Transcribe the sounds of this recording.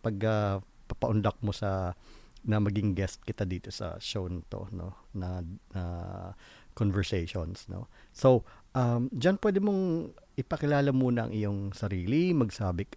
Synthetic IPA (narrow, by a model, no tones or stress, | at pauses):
pɐɡɐ | pɐpɐʔʊnd̪ɐk̚mo̞sɐ | nɐmɐɡɪŋɡɛst̪̚kɪt̪ad̪iːt̪o̞sɐ̰ʃownt̪o̞̰no̰nɐnɐ | konvɛɹsɛjʃonsno̞̰sowʔɐmd͡ʒɐnpwɛːd̪ɪmo̞ŋʔɪpɐkɪlaːlɐmuːnɐʔɐ̰ŋʔɪjoŋsɐɾiːlimɐɡsaːbɪk